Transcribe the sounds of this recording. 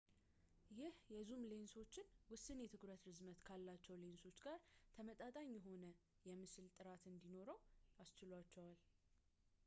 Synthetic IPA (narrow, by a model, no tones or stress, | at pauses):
jɪhjɛzumle̞nso̞t͡ʃːɪnwʊsːɨnjɛt̪ʰɨkɾət̪ɾɨzmət̪kʰalːat͡ʃːɛwle̞nso̞t͡ʃːɡaɾt̪ʰəmət̪ʼat̪ʼaɲːjɛɦo̞nə | jɛmɨsɨlt̪ʼɨɾat̪ɨnd̪ino̞ɾəwast͡ʃɪlwat͡ʃːɛwal